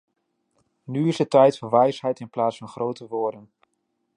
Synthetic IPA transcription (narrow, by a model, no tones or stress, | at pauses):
nyɪsətɛjtfɔʋɛjsɦɛjtɪnplaːtsfɑnχrowtəʋʊːɹdən